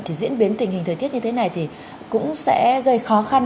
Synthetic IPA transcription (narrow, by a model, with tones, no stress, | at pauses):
t̪i˨˩zḭ˧˥ənɓi˨˦ənt̪i˨˩ŋ̟hi˨˩ŋ̟t̪ʰəː˨˩t̪i˦˥ət̚ɲɨ˧t̪ʰe˨˦na˨˩jt̪ʰi˨˩ | kʊ̰˧˥ŋ͡msɛ̰˧˥ɣə˧jxɔ˨˦xa˧n